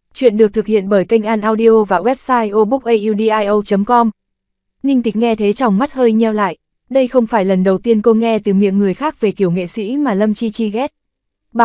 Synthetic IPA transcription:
t͡ɕwḭ˧˨ənɗɨ˨˩ək̚t̪ɨ˨˩k̚hḭ˧˨ənɓəː˧˩jka˧ŋ̟ʔaː˧nʔaː˧wɗi˧ʔo˧vaː˨˩wɛ˦˥p̚saː˧jʔo˧ɓu˦˥k̚ʔə˧jʔi˧ɗi˧ʔaː˧jʔə˧wt͡ɕə˨˦mkɔ˧m | ɲï˧ŋt̪ï˨˩˦ŋ̟̚ŋɛ˧t̪ʰe˨˦t͡ɕɔ˨˩wŋ͡mma˦˥t̚həː˧jɲɛ˧wla̰ː˧˨jʔ | ɗə˧jxə˧wŋ͡mfaː˧˩jlə˨˩nɗə˨˩wt̪i˧ənko˧ŋɛ˧t̪ɨ˨˩mḭ˧˨əmŋɨ˨˩əjxaː˦˥k̚ve˨˩ki˧˩əwŋḛ˧˨sḭ˧˥maː˨˩lə˧mt͡ɕi˧t͡ɕi˧ɣɛ˦˥t̚ | ɓa˨

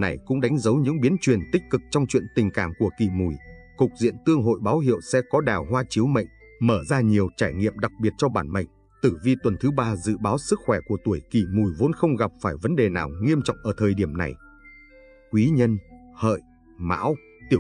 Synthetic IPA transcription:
na˨˩jkʊ̰˧˥ŋ͡mɗa˨˦jŋ̟zə˨˦wɲɨ̰˧˥ŋɓi˨˦ənt͡ɕwi˨˩ənt̪ï˦˥k̟̚kɨ˨˩k̚t͡ɕɔ˧wŋ͡mt͡ɕwḭ˧˨ənt̪ï˨˩ŋ̟ka̰ː˧˩˨mku˧˩əki˧˩mu˨˩j | kʊ˨˩k̚zḭ˧˨ənt̪ɨ˧əŋɦo̰˧˨jɓaː˨˦wɦḭ˧˨əwsɛ̰˧˥kɔ˨˦ɗaː˨˩wɦwaː˧t͡ɕi˨˦wmə̰˧˨jŋ̟ | məː˧˩zaː˧ɲi˨˩əwt͡ɕaː˧˩jŋḭ˧˨əmɗa˨˩k̚ɓi˨˩ət̚t͡ɕɔ˧ɓaː˧˩nmə̰˧˨jŋ̟ | t̪ɨ˧˩vi˧t̪wə˨˩nt̪ʰɨ˨˦ɓaː˧zɨ̰˧˨ɓaː˨˦wsɨ˦˥k̚xwɛ˧˩ku˧˩ət̪u˧˩əjki˧˩mu˨˩jvo˨˦nxə˧wŋ͡mɣa˨˩p̚faː˧˩jvə˨˦nɗe˨˩naː˨˩wŋi˧əmt͡ɕɔ̰˧˨wŋ͡mʔəː˧˩t̪ʰəː˨˩jɗi˧˩əmna̰˨˩j | kwi˨˦ɲə˧nhə̰ː˧˨j | ma̰ː˧˥w | t̪i˧˩

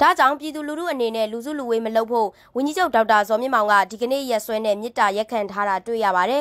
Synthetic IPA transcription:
d̥ä̰˦˨d͡ʑã˦˨ʊ̃mpji˨d̪u˨lu˨ɾṵ˦˨ʔəne˨nɛ̰˦˨lu˨zṵ˦˨lu˨we˦məlo˦ʊpʰo̰˦˨ | wʊ̃˨ɲd͡ʑi˦d͡ʑo˦ʊʔda˦ʊtːa˨zɔ˨mjɪ̃˦˨mã˨ŋɡä̰˦˨di˨ɡə˨nḛ˦˨jɛ˦˨swɛ˦nɛ̰˦˨mjɪ˦tːa˨ja˦˨kʰːã˨ntʰa˦ɾa˨twḛ˦˨jä̰˦˨βa˨ɾɛ˨

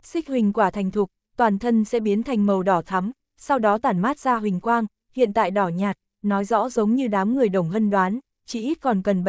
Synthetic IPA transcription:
sï˦˥k̟̚hï˨˩ŋ̟kwaː˧˩t̪ʰa˨˩jŋ̟t̪ʰu˨˩k̚ | t̪waː˨˩nt̪ʰə˧nsɛ̰˧˥ɓi˨˦ənt̪ʰa˨˩jŋ̟mə˨˩wɗɔ˧˩t̪ʰa˨˦m | sa˧wɗɔ˨˦t̪aː˧˩nmaː˦˥t̚z̥aː˧ɦï˨˩ŋ̟kwaː˧ŋ | hḭ˧˨ənt̪a̰ː˧˨jɗɔ˧˩ɲaː˨˩t̚ | nɔ˨˦jzɔ̰˧˥zə˨˦wŋ͡mɲɨ˧ɗaː˨˦mŋɨ˨˩əjɗə˨˩wŋ͡mɦə˧nɗwaː˨˦n | t͡ɕi˧˩ʔi˦˥t̚kɔ˨˩nkə˨˩nɓ

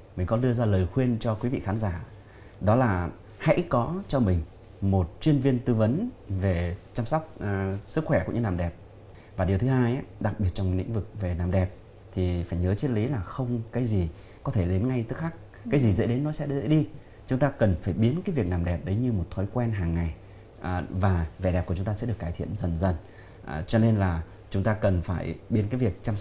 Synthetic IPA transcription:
mi˨˩ŋ̟kɔ˨˦nɗɨ˧əzaː˧ləː˨˩jxwi˧ənt͡ɕɔ˧kwi˨˦vḭ˧˨xaː˨˦nzaː˧˩ | ɗɔ˨˦laː˨˩ | ha̰˧˥jkɔ˨˦t͡ɕɔ˧mï˨˩ŋ̟ | mo˨˩t̚t͡ɕwi˧ənvi˧ənt̪ɨ˧və˨˦nve˨˩t͡ɕaː˧msɔ˦˥wk͡p̚ːsɨ˦˥kxwɛ˧˩kʊ̰˧˥ŋ͡mɲɨ˧naː˨˩mɗɛ˨˩p̚ | vaː˨˩ɗi˨˩əwt̪ʰhaː˧jʔa˨˦ɗa˨˩k̚ɓi˨˩ət̚t͡ɕɔ˧wŋ͡ml̰ḭ̈˧˥ŋ̟vɨ˨˩k̚ve˨˩naː˨˩mɗɛ˨˩p̚ | t̪ʰi˨˩faː˧˩jɲəː˨˦t͡ɕi˦˥t̚li˨˦laː˨˩xə˧wŋ͡mkaː˨˦jzi˨˩ | kɔ˨˦t̪ʰe˧˩le˨˦nŋa˧jt̪ɨː˨˦˥xaː˦˥k̚ | aː˨˦jzi˨˩zḛ˧˥ɗe˨˦nːɔ˨˦sɛ̰˧˥ɗzḛː˧˥ɗi˧ | t͡ɕʊ˨˦ŋ͡mt̪aː˧kə˨˩nfaː˧˩jɓi˨˦ənkaː˨˦jvi˨˩ək̚naː˨˩mɗɛ˨˩p̚ɗə˨˦jɲɨ˧mo˨˩t̚t̪ʰɔ˨˦jkwɛ˧nɦaː˨˩ŋːa˨˩j | ʔvaː˨˩ve˨˩ɗɛ˨˩p̚u˧˩t͡ɕʊ˨˦ŋ͡mt̪ːsɛ̰˧˥ɨ˨˩əkːaː˧˩t̪ʰḭ˧˨ənzə˨˩nzə˨˩n˨˩ | t͡ɕɔ˧ne˧nlaː˨˩ | t͡ɕʊ˨˦ŋ͡mt̪aː˧kə˨˩nfaː˧˩jɓi˨˦ənkaː˨˦jvi˨˩ək̚t͡ɕaː˧ms

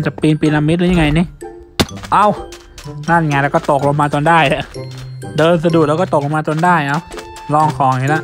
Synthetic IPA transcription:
nt͡ɕa˨˩piː˧npiː˧nla˧mːi˦t̪̚lɯ˦˥ɲa˧ŋa˧jni˧˥˩ | ʔa˧˩w | naː˥˩na˨˩ŋa˧lɛ˧˩kɔː˥˩t̪o˨˩k̚lɔ˧maː˧t̪o˧ndaː˥˩jla˧˩ʔdɤː˧ns̬a˧du˨˩k̚lɛː˦˥˩kɔː˥˩t̪o˨˩k̚lo˧maː˧t̪o˧ndaː˥˩jʔa˧˩w | lɔː˧˩ŋkʰɔː˨˦ŋiː˧˩la˧˥ʔ

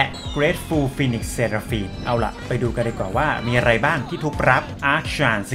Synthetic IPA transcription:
lɛ˧˩kɾeː˦˥t̪̚fuː˧fiː˧ni˦˩k̚sseː˧ɾaː˧fiː˧nʔa˧wla̰˨˩ʔpa˧jduː˧ka˧ndaː˧jkwaː˨˩waː˥˩miː˧ʔa˧ɾa˧jbaː˥˩ŋt̪ʰiː˥˩t̪ʰuː˨˥˩k̚ɾa˦˥p̚ʔaː˦˥k̚ɕaː˧ns

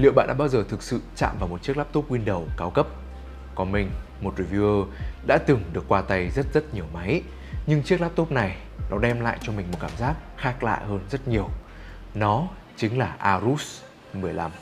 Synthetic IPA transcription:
lḭ˧˨wɓa̰ː˧˨nɗ̰a̰ː˧˥ɓːwzəː˨˩t̪ʰɨ˨˩k̚sɨ̰˧˨t͡ɕa̰ː˧˨mvaː˨˩mo˨˩t̚t͡ɕi˦˥ək̚laː˦˥p̚t̪o˦˥p̚ŋwi˧nɗə˨˩wkaː˨˦wkə˦˥p̚ | kɔ˨˩nmï˨˩ŋ̟mo˨˩t̚ɹi˧˩vi˧əː˧ɗa̰ː˧˥t̪ɨ˨˩ŋɗɨ˨˩əkːwaː˧t̪a˧jzə˦˥t̚zə˦˥t̚ɲi˨˩əwma˨˦j | ɲɨ˧ŋt͡ɕi˦˥klaː˦˥p̚t̪o˦˥p̚na˨˩j | nɔ˨˦ɗɛ˧mla̰ː˧˨jt͡ɕɔ˧mï˨˩ŋ̟mo˨˩kaː˧˩mzaː˦˥k̚xaː˦˥k̚la̰ː˧˨jhəː˧nzə˦˥t̚ɲi˨˩əw | nɔ˨˦ | t͡ɕï˨˦ŋ̟laː˨˩ʔaː˧zu˦˥s | mɨ˨˩əjla˧m

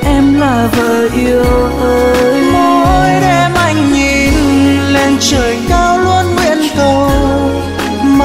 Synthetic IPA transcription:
ʔɛ˧mlaː˨˩vəː˨˩ʔi˧əwt̪əː˨˦mo˧˦˧ʔo˧jɗɛ˧mʔa˧˩jŋ̟ɲi˧˩nle˧nt͡ɕəː˨˩jkaː˧wlu˧ənɓwḭ˧˨ənt̪ə˧w | m

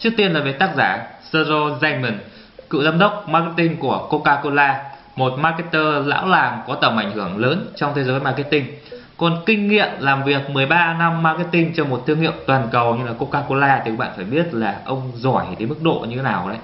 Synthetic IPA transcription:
t͡ɕɨ˦˥ək̚t̪i˧ənlaː˨˩vəː˨˦jt̪aː˦˥k̚zaː˧˩sə˧zo˧za˧ŋmə˨˩n | kɨ̰˧˨zaː˧mɗə˦˥wk͡p̚maː˧kt̪̚ï˧ŋku˧˩əko˧kaː˧ko˧laː˧ | mo˨˩t̚ma˧ke˦˥t̪əː˧la̰ː˧˥wlaː˨˩ŋkɔ˨˦t̪ə˧˩mʔa˧˩jŋ̟hɨ˧˩əŋləː˨˦nt͡ɕɔ˧wŋ͡mt̪ʰe˨˦zəː˨˦jma˧k̬i˦˥t̪ï˧ŋ̟ | kɔ˨˩nkï˧ŋ̟ŋḭ˧˨əmlaː˨˩mvi˨˩ək̚mɨ˨˩əjɓaː˧na˧mːaː˧ki˦˥t̚t̪ï˧ŋ̟t͡ɕɔ˧mo˨˩t̚t̪ʰɨ˧əŋḭ˧˨əwt̪waː˨˩nkə˨˩wɲɨ˧ŋlaː˨˩ko˧kaː˧ko˧laː˧t̪ʰi˨˩kːɓa̰ː˧˨faː˧˩jɓi˦˥ət̚laː˨˩ʔə˧wŋ͡mzɔ˧˩j̪ʰə˨˦jmɨ˦˥k̚ɗo̰˧˨ɲɨ˧e˨˦naː˨˩wɗə̰˧˨

